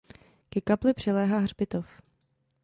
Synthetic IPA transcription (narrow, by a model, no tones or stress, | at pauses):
kɛkaplɪpr̝̥ɪlɛːɦaːɦrbɪt̪of